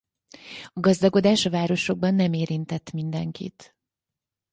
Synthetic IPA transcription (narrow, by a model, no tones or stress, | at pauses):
ɒɡɒzd̪ɒko̞d̪aːʃɒvaːɾo̞ʃo̞ɡ̚bɒnːɛmeːɾint̪ɛt̪ːmind̪ɛŋkḭt̪